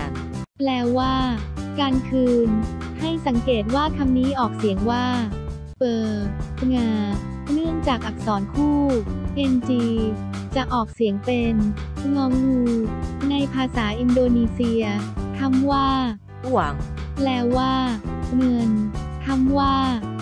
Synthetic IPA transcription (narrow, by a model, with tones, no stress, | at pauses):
plɛː˧waː˥˩kaː˧nkʰɯː˧n | ha˥˩jsa˩˦ŋkeː˨˩t̪̚waː˥˩t̪ʰa˧mniː˦˥ʔɔː˨˩k̚si˨˩˦əŋwaː˥˩ | pɤː˨˩ŋaː˧ | nɯ˥˩əŋt͡ɕaː˨˩k̚ʔa˨˩k̚sɔː˩˦nkʰuː˥˩ʔe˧nt͡ɕiː˧ | t͡ɕa˨˩ʔɔː˨˩k̚si˩˦əŋpe˧nŋɔː˦˥ŋjuː˧na˧jpʰaː˧saː˩˦ʔi˧ndoː˧niː˧si˧ɐt̪ʰa˧˥˩mwaː˥˩ | u˨˩əŋ | plɛː˧waː˥˩ŋɤ˧nt̪ʰa˧˥mwaː˥˩